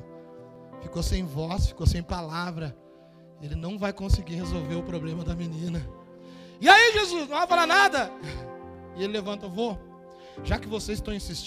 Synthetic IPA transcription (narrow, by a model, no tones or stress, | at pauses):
fikosẽj̃vɔsfi̥kosẽj̃palavɾɐ | elɪnɐ̃w̃vajkõsɪɡihezowveɾʊpɾoblẽmɐd̪ɐmenĩnɐ | ɪaiʒezuznɐ̃w̃afalanad̪ɐ | ɪelɪlevɐ̃nt̪ɐvo | ʒakɪvosezɪst̪ɐ̃w̃ĩsist͡ʃ